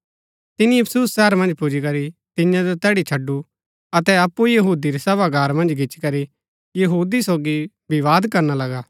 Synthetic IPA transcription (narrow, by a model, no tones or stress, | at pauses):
t̪ɪnĩɐpʰsusːɛːəɾmɐ̃nd͡ʒpʊd͡ʒikɐɾit̪ɪjãd͡ʒot̪ɛːɽit͡ʃʰɐɖːu | ɐt̪ɛɐpːujɐɦuːd̪iɾisɐbaɡʱaːɾmɐ̃nd͡ʒɡʱɪt͡ʃkɐɾi | jɐɦuːd̪isoːɡi | biʋaːd̪kɐɾnalɐɡaː